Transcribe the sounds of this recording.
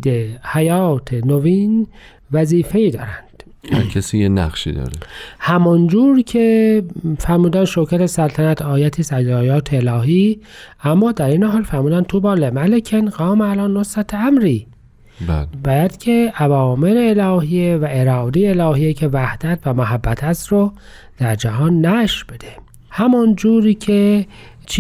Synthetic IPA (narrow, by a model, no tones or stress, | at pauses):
d̪ehæjɑːt̪ʰenoviːn | væziːfe̞iːd̪ɒ̰ːɾænd̪̥ | ækʰesiːjenæ̰χʃḭːd̪ɒ̰ːɾehæmond͡ʒuːɾcʰe | fæɾmuːd̪ænʃokʰæt̪esælt̪ʰænæt̪ʰɒːjæt̪ʰiːsæd͡ʒlɒːjɑːt̪ʰeːlɒːɦiːæmːɒːd̪æɾiːneɦɑːlfæɾmuːd̪ænt̪ʰubɒːlemælekʰenɡɑːmælɒːnːosæt̪ʰæmɾiː | bæːjæd̪̥cʰe̞ævɒːme̞ɾeːlɒːɦiːjevæʔeɾɒːd̪iːelɒːɦiːjecʰe̞væhd̪̥æt̪ʰvæmoɦæbːæt̪ʰæst̪ɾo | d̪̥æɾd͡ʒæhɒːnːæʃɾbe̞d̪e | hæmɔnd͡ʒuːɾiːcʰe | t͡ʃʰ